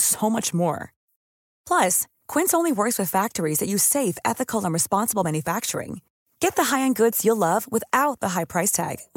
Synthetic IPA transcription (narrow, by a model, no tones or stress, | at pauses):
soʊmʌt͡ʃmɔ̰ɹ | pʰl̥ʌs | kʰw̥ɪ̃ntsõʊ̃nliwɜ˞kswɨð̥fæk̚tə˞izðɨt͡ʃɨ̥seɪfɛ̰θɨkʰl̩ˠə̃nɹɨspɑ̃nsəbl̩ˠmæ̃njɨfæk̚t͡ʃə̰˞ɪ̰̃ŋ | ɡ̥ɛt̪̚ðəɦaɪɨ̃nɡʊdz̥jəlʌvwəθaʊt̪̚ðəɦaɪpʰɹ̥aɪstʰæ̰ɡ̥